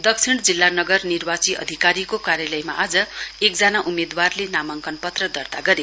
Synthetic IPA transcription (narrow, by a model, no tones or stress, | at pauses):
d̪ʌkt͡sʰiɽd͡zilːanʌɡʌrnirbat͡siʌ̰d̪ʱikaɾikokaɾjalʌjma̰ʔad͡zʌek̚d͡zanaʔumed̪warlenamʌŋkʌnpʌt̪rʌd̪ʌrt̪aɡʌɾe